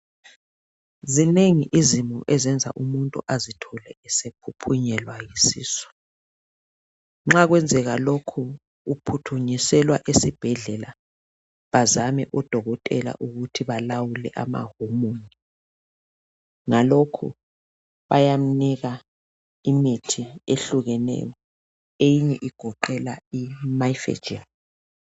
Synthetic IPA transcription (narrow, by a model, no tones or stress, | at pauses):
zineŋiʔizimuʔɛzɛnd͡zʱa̰ʔumuntʼṵʔazitʰɔlɛɛsepʰupʰuɲɛlwajisḭːsɔ̥ | ŋ͡ǁaɣwɛnd͡zʱɛɣalokʰu | upʰutʰuɲisɛlwaʔesib̥ʱɛɮɛla | βazamɛ̰ʔɔd̥ʱɔɣɔtʼɛla̰ʔuɣutʰiβalawulɛ̰ʔama̰homoːni | ŋalokʰṵ | βajam̩niɣa | imitʰieɬuɣɛnɛ̰jɔ | ejiɲɛʔiɡ̥ʱɔǃɛla̰imajfɛ̰̥d͡ʒin